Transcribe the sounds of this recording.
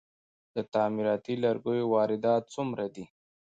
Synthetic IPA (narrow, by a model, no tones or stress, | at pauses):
d̪̥ət̪ɑːmiɾɑt̪ilaɾɡojowɑːɾɪd̪ɑt̪̚t͡sumɾad̪i